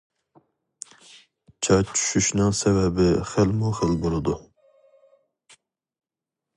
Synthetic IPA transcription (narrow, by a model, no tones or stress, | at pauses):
t͡ʃʰɑt͡ʃʰy̥ʃyʃnɨŋsɛvɛbɪχælmuχəlbolˠɨd̪u